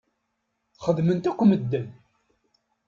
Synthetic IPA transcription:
χəðmənt̪ækʷːməd̪ːən

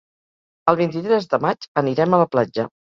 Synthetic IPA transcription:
əlˠβ̞int̪it̪ɾɛzðəmad͡ʒəniɾɛmələplad͡ʒə

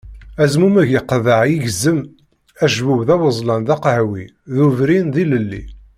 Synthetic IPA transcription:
æzmumæʝjəqːðəʕjiʝəzːəm | æʒvuwðæwəzˤlɑnðɑqhwi | ðuvɾinðiləlːḭ

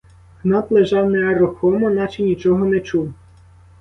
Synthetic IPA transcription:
ɦnɑt̪lˠeʒɑwnɛɐrɔxɔmɔnɑt͡ʃinʲit͡ʃɔɦɔnɛt͡ʃuw

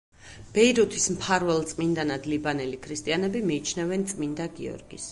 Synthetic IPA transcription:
b̥ɛiɾut̪ʰismpʰaɾvɛlˠt̪sʼmind̪anad̪libanɛlikʰɾist̪ʼianɛbimiːt͡ʃʰnɛvɛnt̪sʼmind̪aɡiɔ̰ɾɡis

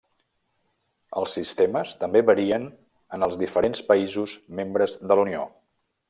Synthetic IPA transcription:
əlˠsːist̪eməst̪əmbeβəɾiən | ənəlˠzðifəɾenspəizuzmembɾəzðəlunio

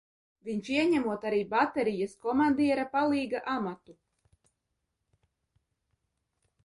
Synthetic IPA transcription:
viɲʲʃiɛɲæmuɔt̪aɾiːbat̪ɛɾijaskɔmand̪iɛɾapalˠiːɡaʔamat̪u

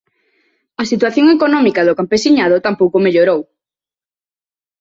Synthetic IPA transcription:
ɐsit̪waθjoŋekonɔmikaðʊkampesiɲað̞ot̪ampowkomeʎoɾow

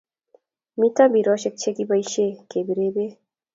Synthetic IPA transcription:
mit̪abiɾɔʃek̚t͡ɕʰekibajʃekebiɾebe

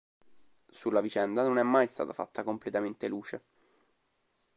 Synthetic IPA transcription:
sulːavit͡ʃɛnd̪anonɛmːajst̪a̰ːt̪afa̰t̪ːakomplet̪ament̪eluːt͡ʃe

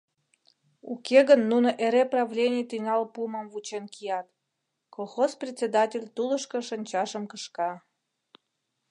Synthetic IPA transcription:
ukeɣənːunoʔeɾeprɑvlʲenʲijt̪inɑlpuməmvut͡ɕenkijɑt̪ | kolˠxosprʲet̪ʲt͡sʲed̪ɑtʲelʲt̪uləʃkə̆ʃənʲt͡ɕɑʃəmkəʃkɑ

